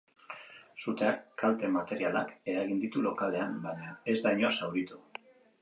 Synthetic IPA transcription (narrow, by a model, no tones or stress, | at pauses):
sut̪eakːalt̪e̞mat̪e̞ɾiala̰ke̞ɾaɣ̞ind̪it̪ulo̞kale̞anbaɲae̞zd̪ajɲo̞sawɾit̪u